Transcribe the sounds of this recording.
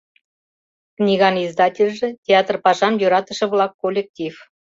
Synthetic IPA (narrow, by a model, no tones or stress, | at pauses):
knʲiɣɑnizd̪ɑtʲelʲʒĕtʲeɑt̪rpɑʒɑmjøɾɑt̪ə̆ʃə̆βlɑkːolʲek̚tʲif